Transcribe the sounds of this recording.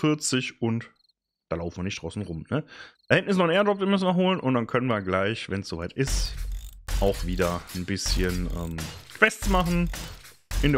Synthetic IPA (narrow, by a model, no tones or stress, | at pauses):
fɪɐt͡sɪçʊnt | d̥aːlaʊfn̩viɐnɪçtd̥ʁaʊsn̩ʁʊmnəd̥hɛntnɪs̬nɔχneːɐdd͡ʒɔp̚v̥iɐmʏsn̩viɐɦoːlənʊntd̥ankʰœnənviːɐɡlaɪçvɛnsz̥ovaɪtʔɪst | ʔaʊxv̥iːdɐnbɪsçənʔɛːmkʰv̥ɛstt͡smaχn̩ | ʔɪnde